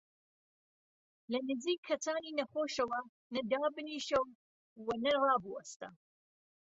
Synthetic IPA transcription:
lɐnɨziːkʰːɐt͡saːniːnɐχoːʃɐwɐ | nɐd̪aːbɨniːʃɐw | wɐnɐrɑːbuɐst̪ɐ̰

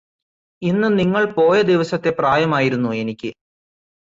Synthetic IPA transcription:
inːumniŋːɐɭpo̞ːjɐd̪iʋɐsɐt̪ːe̞praːjɐmaːjiɾunːue̞nikʲːɨ

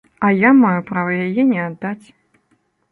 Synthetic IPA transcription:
ɐjamajupɾavɐjajɛnʲɛad̪ːat͡sʲ

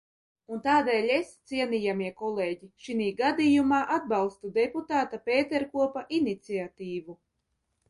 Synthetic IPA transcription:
unt̪aːd̪ɛːlʲest̪siɛniːjamiɛkɔlˠeːɟiʃiniːɡad̪iːjumaːʔad̪̚balˠst̪ud̪eput̪aːt̪apeːt̪eɾkuɔpaʔinit̪siat̪iːvu

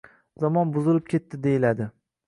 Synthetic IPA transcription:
zɒmɒnbʊzɪlɪp̚kʲʰe̞t̪ʰːɪd̪e̞jɪlad̪ɪ

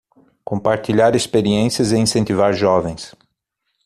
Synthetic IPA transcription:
kõpaɾt͡ʃiʎaɾespeɾiẽsiɐzeĩsẽnt̪ivaɾʒɔvẽj̃s

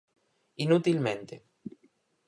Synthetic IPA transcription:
inut̪ilmẽnt̪e

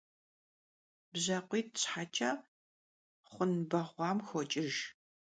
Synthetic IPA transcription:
bʑɐqʷiːtʰɕħat͡ʃʰʼɐ | χʷʊnbɐʁʷɑːmxʷɔt͡ʃʼɪʒ

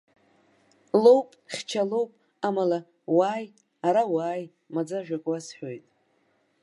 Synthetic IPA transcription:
lo̞wpʼχʲt͡ʃʰalo̞wpʼ | amala | waːj | aɾawaːj | mad͡zaʒᶣakʷʼasħʷᶣojtʼ

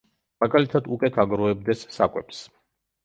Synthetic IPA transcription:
maɡalit̪ʰad̪ukʼwɛkʰaɡɾɔɛb̚d̪ɛsːa̰kʼwɛ̰ps

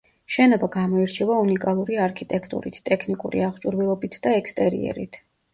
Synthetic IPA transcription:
ʃɛnɔbaɡamɔiɾt͡ʃʰɛvaunikʼalˠuɾiaɾkʰit̪ʼɛkʰt̪ʼṵɾḭt̪ʰt̪ʼɛkʰnikʼṵɾḭaχt͡ʃʼuɾvilˠɔbit̪ʰd̪aɛkʰst̪ʼɛɾḭɛ̰ɾḭt̪ʰ

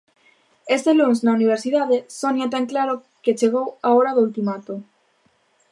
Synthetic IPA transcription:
est̪elunsnauniβ̞eɾsiðaðesonjat̪̬aŋklaɾo | ket͡ʃeɣ̞owaoɾaðoult̪imat̪o

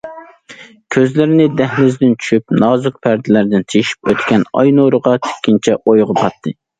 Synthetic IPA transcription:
kʲʰøzlɪɾɪnɪd̪ɛhlɪzd̪ɪnt͡ʃʰy̥ʃyp̚nɑːzuq̚pʰæɾd̪ɪlæɾd̪ɪnt̪ʰijiʃi̥p̚ø̰t̪kʲɛnɑ̰jnoɾəʁɑt̪ʰe̥kʲːint͡ʃʰɛʔojʁəpʰɑt̪ʰːɨ

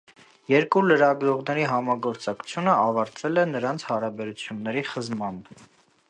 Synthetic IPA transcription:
jɛɾkuləɾɑɡɾɔʁnɛɾiɦɑmɑɡɔɾt͡sɑkʰt͡sʰjunəɑvɑɾt̪ʰvɛlɛnəɾɑnt͡sʰhɑɾɑbɛɾut͡sʰjunːɛɾiχəzmɑn

